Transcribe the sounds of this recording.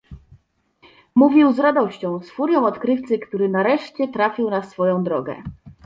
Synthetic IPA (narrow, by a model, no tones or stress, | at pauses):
muvʲiwzɾad̪ɔɕt͡ɕɔ̃w̃sfuɾʲjɔ̃w̃ɔt̪kɾɘft̪sɘkt̪uɾɘnaɾɛʂt͡ɕɛt̪ɾafʲiwnasfɔjɔ̃w̃d̪ɾɔɡɛ̰